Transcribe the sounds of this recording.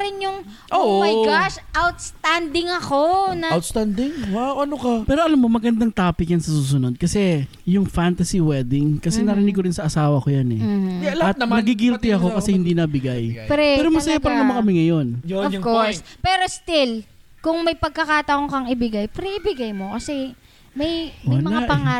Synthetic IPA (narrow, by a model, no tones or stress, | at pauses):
ɾɪnjʊŋ | ʔomɐjɡaʃʔawt̪st̪and̪ɪŋɐko̞nɐwt̪st̪and̪ɪŋwawʔɐnokɐpɛːɾoʔɐlamːo̞mɐɡɐnd̪aŋt̪aːpɪkjansɐsuːs̬ʊno̞d̪̚kɐsɛ | jʊŋfant̪ɐsiwɛd̪ɪŋkɐsɛnɐɾɪnɪɡkoɾɪnsɐʔɐsaːwɐko̞janɛlɐɐt̪̚nɐɡiɡilt̪ɪɐko̞kɐsɛhɪnd̪iːnɐbɪɡajpɾɛɛɾomɐsɐjapɐɾɐnɐmɐkɐmɪŋɐjo̞njoɔkoɹspɛːɾo̞st̪ɪl | kʊŋmɐjpɐɡ̚kɐkaːt̪ɐʔoŋkɐŋɪbɪɡajpɾiʔɪbɪɡajmo̞kɐsɛ | mɐjolmɐaaʔpɐŋaː